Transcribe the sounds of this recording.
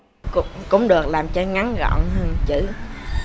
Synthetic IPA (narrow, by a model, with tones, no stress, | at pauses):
kʊ̰˧˥ŋ͡mkʊ̰˧˥ŋ͡mɗɨ˨˩ək̚laː˨˩mt͡ɕɔ˧ŋa˨˦ŋɣɔ̰˧˨wnɦəː˧nt͡ɕɨ̰˧˩˨